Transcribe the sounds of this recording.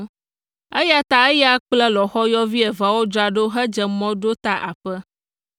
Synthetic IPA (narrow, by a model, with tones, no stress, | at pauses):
e˦ja˦t̪a˦e˦ja˦k͡plɛ˦lɔ˨xɔ˦jɔ˦vi˦ɛ˨va˨wo˦d͡ʒa˨ɖo˦ɦɛ˦d͡ʒɛ˨mɔ̃˦ɖo˦t̪a˦ʔa̰˨ɸɛ˦